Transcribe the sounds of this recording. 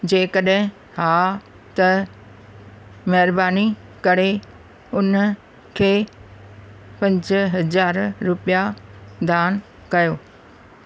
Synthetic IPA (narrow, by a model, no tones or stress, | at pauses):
d͡ʑeːkəɗɦɪ̃ | haː | t̪ɐ | mɐɦɪɾbaːnikɐɾe | ʊn | kʰeː | pɐ̃ɲd͡ʑɦɐzaːɾɾʊpijad̪ʱaːn | kɐjoː